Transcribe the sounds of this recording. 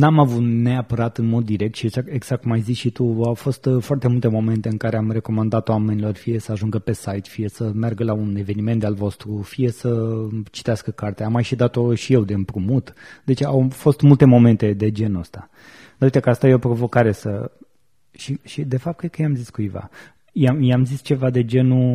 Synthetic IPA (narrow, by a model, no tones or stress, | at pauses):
namavut̪ne̞apəɾat̪ɨnmo̞d̪ːiɾe̞k̚t̪ʃiet͡ʃaeɡz̥ak̚t̪majzisʃit̪uawfo̞st̪foart̪e̞mult̪e̞mo̞me̞nt̪eɨŋkaɾeamre̞ko̞mand̪at̪oame̞nilo̞rfije̞səaʒuŋɡəpe̞sajt̪fije̞səmarɡəlaune̞ve̞nime̞nt̪alvo̞st̪ɾufije̞sət͡ʃi̥t̪easkəkart̪eaamːajʃid̪at̪o̞ʃije̞wd̪e̞mpɾumut̪d̪e̞t͡ʃeawfo̞st̪mult̪e̞mo̞me̞nt̪e̞d̪e̞d͡ʒe̞nəst̪a | d̪auit̪ekəast̪ajeopɾo̞vo̞kaɾe̞sə | ʃiʃid̪e̞fap̚t̪̚kɾet̪kəjeamziskujva̰ | jajamzist͡ʃe̞vad̪e̞d͡ʒe̞nu